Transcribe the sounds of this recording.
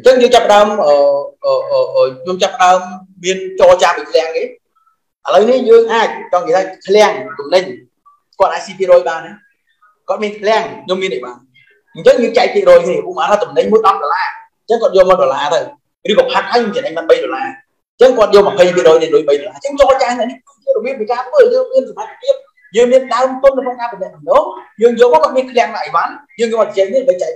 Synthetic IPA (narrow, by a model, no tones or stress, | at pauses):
ɲt͡ɕəŋjəːŋt͡ɕapːəɗaəmʔəːʔəːʔəːʔəːɲomt͡ɕapːə̆ɗaəmː | iənt͡ɕɔːlt͡ɕaːmʔək̪ʰlɛ̆əŋkeː | ʔaləwnihjəːŋʔaːc̚t͡ɕɑŋkeːt̪ʰaːkʰlɛ̆əŋt̪umnɨɲ | kŏət̪̚ʔaːc̚siːpʰiəɾrɔːjɓaːnːa | kŏət̪̚miənk̪ʰlɛ̆əŋʰɲomːiənʔəjɓaːn | ɲt͡ɕəŋjəːŋt͡ɕak̚pʰiəʔrɔːjkniːəpuʔmaːt̪ʰaːt̪umnɨɲmuəjɗɑp̚ɗoːlaː | ɲt͡ɕəŋkŏət̪̚jɔːmɔːwɗoːlaːt̪ɨw | rɨːkɔːpʰat̪̚hʰaːjɲoːmt͡ɕinəmaːnɓəjɗoəlaː | t͡ɕəŋkŏət̪̚jɔːlməpʰəjmpʰiəʔrɔːjnɨɗoːjɓəjɗolaːt͡ɕəːŋt͡ɕɔːt͡ɕaːhnɛ̆ʔnih | t͡ɕiːŋrɔɓiəp̚pikaːt̪ʰʋəːjəːŋmiənsatat̪ːpʰiəp̚ | jəːŋmiənɗaəmt̪ʊnəwkʰnoŋkaːpimnɛ̆əʔt̪umnojəːŋjɔːlmɔkoɔət̪̚miənkʰlɛ̆əŋtaʔəjʋanjəːŋɲoːʔat̪̚t͡ɕ̚t͡ɕɛːk̚niɗɓəjt͡ɕa